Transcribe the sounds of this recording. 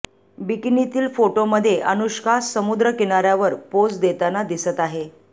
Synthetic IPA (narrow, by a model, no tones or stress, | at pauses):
biknit̪iːlfoʈoməd̪ʱːjeʔənuɕkasːəmud̪ɾəkiɳaɾjaʋəɾpod͡zd̪et̪anad̪isət̪aɦe